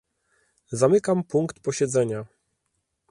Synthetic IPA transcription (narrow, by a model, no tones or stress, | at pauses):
zamɘkampuŋkt̪pɔɕɛd̪zɛɲa